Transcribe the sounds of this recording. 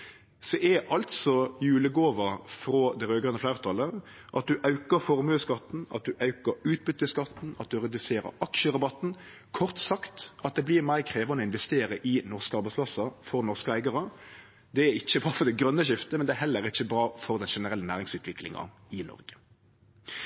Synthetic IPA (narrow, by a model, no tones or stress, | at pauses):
sɔʔɛʔɑlt̪sɔjʉːləɡoːʋəfɾoːd̪ɛɾøːɡʁœnəflæɪʁt̪ʰɑlə | ʔɑt̪̚d̪ʉʔɑʉkəɾfɔʁmøskɑt̪ːn̩ɑt̪̚d̪ʉʔɑʉkəɾʉːt̪̚bʏt̪ːəskɑt̪ːn̩ɑ̰t̪̚d̪ʉʁɛd̪ʉseːɾə̰ɑkʃəʁɑbɑt̪ːn̩ | kʰɔʁt̪sɑkt̪ɑt̪̚d̪ɛblɪʁmæɪkʰɾeːʋɑnəɪnʋɛst̪eːɾəʔɪnɔʁskəɑɾbæɪspʰlɑsɑfɔʁnɔʁskəæɪɡɑʁə | d̪ɛæɾɪçːəbɑːfɔʁd̪ɛɡɾœnːəʃɪft̪əmɛnd̪ɛæːhɛlːəɾɪçːəbɾɑːfɔʁd̪ɛnʂɛnəɾɛlːənæːɾɪŋsʉːt̪ʰʋɪklɪ̰ŋɑ̰ | ɪnɔ̰ʁɡə̥